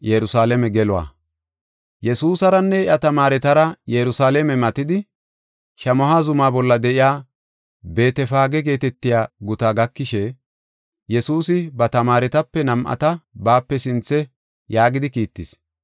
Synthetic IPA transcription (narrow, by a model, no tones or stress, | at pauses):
jɛɾʊsaːlɛmɛɡɛlʊwa̰ | jɛsuːsɐɾɐnːɛɪʔɐt̪ɐmaːɾɛt̪ɐɾɐjɛɾʊsaːlɛmɛmɐt̪ɪd̪ɪ | ʃɐmɔɦazʊmaːbɔlːɐd̪ɛʔɪjaː | be̞ːt̪ɛfaːɡɛɡe̞ːt̪ɛt̪ːɪjaːɡʊt̪aːɡɐkːɪʃɛ | jɛsuːsɪbɐt̪ɐmaːɾɛt̪ɐpːɛnɐmʔɐ̰t̪ɐbaːpːɛsɪnt͡sːɛ | jaːɡɪd̪ɪkiːt̪ːɪs